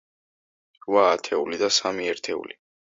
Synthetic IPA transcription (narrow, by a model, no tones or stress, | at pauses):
ɾvaːt̪ʰɛulid̪asamiɛɾt̪ʰɛṵli